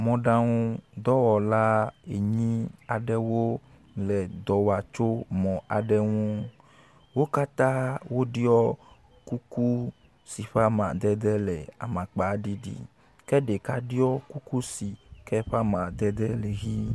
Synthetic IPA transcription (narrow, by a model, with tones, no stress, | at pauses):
mɔ̃˨ɖã˦ŋũ˦d̪ɔ˦wɔ˨la˦e˨ɲĩ˦a˨ɖɛ˦wo˦ | lɛ˨d̪ɔ˨wa˨t͡ʃo˦mɔ̃˨ʔa˨ɖɛ˦ŋũ˦ | wo˦ka˦t̪ã˦wo˦ɖi˦ɔ˦ | ku˦ku˦ | si˨ɸa˦mã˨d̪ɛ˦d̪ɛ˦lɛ˨a̰˨mã˨k͡pa˨˦ɖi˦ɖḭ˦ | kɛ˦ɖe˨ka˦ɖi˦ɔ˦ku˦ku˦si˨kɛ˦ɸa˦mã˨d̪ɛ˦d̪ɛ˦lɛ˨ɣi˦